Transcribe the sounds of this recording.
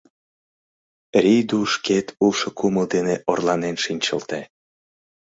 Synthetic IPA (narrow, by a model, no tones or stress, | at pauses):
rʲijd̪uʃket̪ʰulʃŏkuməld̪eneʔorlɑnenʃinʲt͡ɕə̰lt̪e